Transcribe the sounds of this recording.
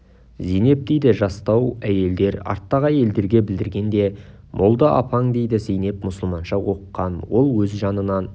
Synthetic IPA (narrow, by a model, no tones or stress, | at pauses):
zijne̞p̚d̪ejd̪ɪʒɑst̪ɑwæje̞ld̪e̞ɾɑ̰ɾt̪ːɑʁæje̞ld̪e̞ɾɡʲe̞bɪld̪ɪɾɡʲe̞nd̪e̞ | mʔolˠd̪əʔɑ̰pʰɑŋd̪e̞jd̪ɪzijne̞pmʊsəlˠmɑnʃɑwo̞qqːɑnwo̞lˠwɵzʒɑnənɑn